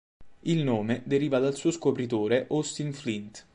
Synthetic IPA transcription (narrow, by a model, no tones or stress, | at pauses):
ilnoːmed̪eɾiːvad̪alsuːoskopɾit̪oːɾeʔɔst̪inflint̪